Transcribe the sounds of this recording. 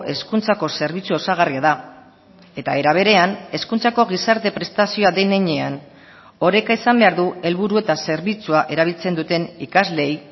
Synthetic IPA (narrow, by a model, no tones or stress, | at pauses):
ʔe̞skunt͡sako̞se̞ɾβit͡suo̞saɣariaða | e̞t̪aeɾaβ̞e̞ɾe̞ane̞skunt͡sako̞ɣ̞isaɾt̪e̞pɾe̞st̪asio̞aðeneɲe̞an | o̞ɾe̞kaisambe̞aɾðue̞lβuɾue̞t̪ase̞ɾβit͡suaʔe̞ɾaβ̞ilt͡se̞nd̪ut̪e̞nikazle̞j